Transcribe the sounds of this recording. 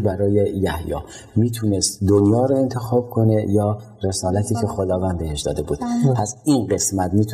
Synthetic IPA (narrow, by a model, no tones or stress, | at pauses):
bæɾɒːjejæhjɒ̰ː | miːt̪ʰunest̪d̪onjɒːɾoe̞nt̪ʰe̞xɒːb̥̚kʰo̞ne̞jɒː | re̞sɒːlæt̪ʰiːcʰe̞xod̪ɒːvænd̪̚behe̞ʃd̪ɒ̰ːd̪e̞buːd̪pʰæsiːnɢe̞smæt̪miːt̪ʰ